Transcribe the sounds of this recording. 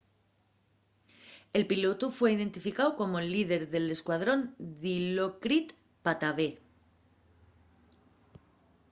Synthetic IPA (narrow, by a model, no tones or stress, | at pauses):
e̞lpilo̞t̪ufwe̞ið̞e̞nt̪ifikawko̞moelið̞e̞ɾðe̞le̞skwað̞ɾo̞nðilokɾit̪ | pat̪aβe